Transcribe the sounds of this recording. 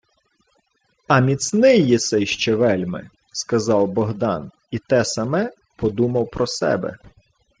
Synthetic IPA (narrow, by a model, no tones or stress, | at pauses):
ɐmʲit̪snɪjːisɛjʃt͡ʃɛʋɛlʲmɪ̰ | skɐzɑwbɔɦd̪ɑn | it̪ɛsɐmɛ | pɔd̪umɐwpɾɔsɛ̰bɛ̰